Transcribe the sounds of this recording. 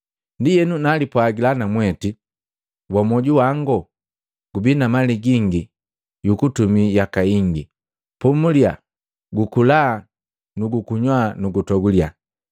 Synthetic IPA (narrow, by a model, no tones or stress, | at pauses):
ndijɛnunalipwaɡilanamwɛti | wamɔɟuwaŋɡɔ | ɡubinamaliɡiŋɡi | jukutumijakaiŋɡi | pumulja | ɡukulaː | nuɡukuɲwanuɡutɔɡulja̰